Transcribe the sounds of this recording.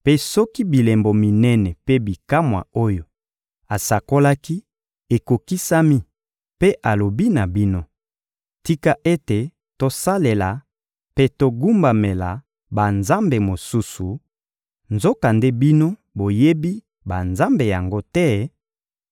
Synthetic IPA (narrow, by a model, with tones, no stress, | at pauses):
pe˦sɔ˦ki˦bi˨lɛ˨mbo˨mi˨nɛ˦nɛ˨pe˦bi˨ka˦mwa̰˨o˦jo˨ | a˨sa˨ko˦la˦ki˦ | e˨ko˨ki˦sa˦mi˦ | pe˦ʔa˨lo˨bi˦na˨bi˦no˦ | ti˦ka˦ʔe˦te˨ | to˨sa˦le˨la˨ | pe˦to˨ɡu˦mba˨me˨la˨ | ba˨nza˦mbe˨mo˨su˦su˨ | nzo˦ka˨nde˦bi˦no˦ | bo˨je˦bi˦ | ba˨nza˦mbe˨ja˨ŋɡo˦tɛ˦